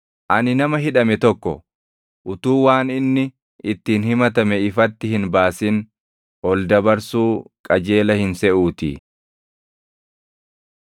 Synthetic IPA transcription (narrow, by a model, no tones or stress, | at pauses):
ʔɐnɪnɐmɐɦɪᶑɐmɛt̪ɔkːɔ̰ | ʔʊt̪uːwaːnɪnːɪ | ʔɪt̪ːiːnhɪmɐt̪ɐmɛɪfɐt̪ːɪhɪnbaːsɪn | ʔɔld̪ɐbɐɾsuːkʼɐd͡ʒe̞ːlɐhɪnsɛʔuːt̪ḭ